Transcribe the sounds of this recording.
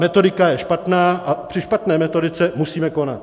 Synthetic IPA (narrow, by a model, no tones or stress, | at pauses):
mɛt̪o̞dɪkajɛʃpat̪naːapr̥ɪʃpat̪nɛːmɛt̪o̞dɪt͡sɛmusiːmɛko̞na̰t̪